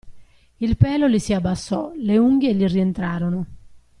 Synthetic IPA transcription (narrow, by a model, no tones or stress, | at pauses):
ilpɛːlolisiabːasːɔ̰leuŋɡelirient̪ɾaːɾonʊ